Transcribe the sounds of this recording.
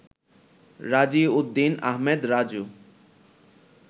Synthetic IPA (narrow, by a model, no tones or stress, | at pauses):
ɾad͡ʑiud̪ːinaɦmed̪ɾad͡ʑu